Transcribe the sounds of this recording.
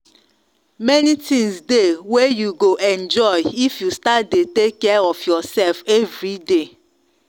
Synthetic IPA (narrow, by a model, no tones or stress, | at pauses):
mɛnitĩŋsdewejuɡoʔɛ̃nd͡ʒɔjifjustadetekːɛɔfjɔsɛlfɛvɹide